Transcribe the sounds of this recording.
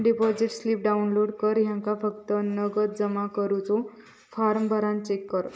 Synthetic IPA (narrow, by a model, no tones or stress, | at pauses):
ɖipɔd͡ziʈslip̚ɖaunloɽkəɾjãŋkafəkt̪ənəɡət̪̚d͡zəmakəɾut͡so | faɾmbʱəɾãn̚t͡ɕekːəɾ